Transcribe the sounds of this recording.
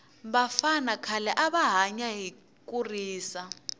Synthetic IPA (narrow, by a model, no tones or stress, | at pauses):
βafanakʰalɛʔaβaɦaɲaɦi | kʼuriːsa